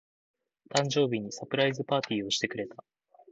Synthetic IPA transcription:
t̪ãɲd͡ʑo̞ːbʲiɲ̟isapɯ̟ɾaizɨpaːt̪ʲiːo̞ɕi̥t̪e̞kɯ̟ɾe̞t̪a

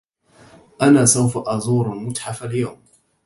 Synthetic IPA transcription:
ʔanaːsawfaʔazˤuːɾamʊtħafaljawm

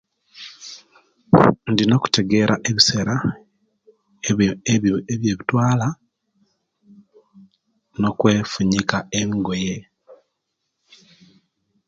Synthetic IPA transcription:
ndinoku̥te̞ɡe̞ɾaʔe̞βiseɾa | eβje̞ːβitwaːla | no̞kwe̞ːfuɲikaemiɡo̞je̞

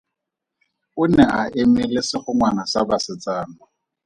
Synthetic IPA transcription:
ʊnɛaʔɪmɪlɪsɪχʊŋwanasabasɪt͡sʼaːnʊ

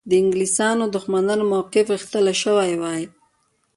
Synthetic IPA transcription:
d̪əɪŋɡlisɑnod̪ʊxmanɑnomawqɪfɣaxt̪əlaʃəwajwɑj

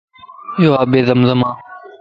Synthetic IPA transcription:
joːaːbeːðəmzəmãː

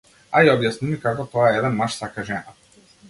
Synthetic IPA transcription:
aiɔbjasnimikakɔt̪ɔaɛɛd̪ɛnmaʃsakaʒɛna

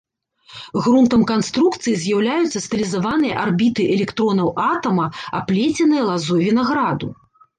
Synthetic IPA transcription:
ɣɾunt̪ɐmkanst̪ɾukt̪sɨjizʲjawlʲajut̪sːɐst̪ɨlʲizavanɨjɐʔarbʲit̪ɨʔɛlʲɛkt̪ɾɔnɐwat̪ɐmɐa̰plʲet͡sʲɛnɨjɐlˠazuvʲinaɣɾad̪u

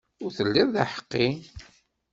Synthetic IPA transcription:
ʊɾθəlːɪðˤðaħə̥qːi

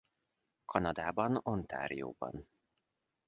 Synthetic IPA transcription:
kʰɒnɒd̪aːbɒnont̪ʰa̰ːɾijo̰ːbɒ̰n

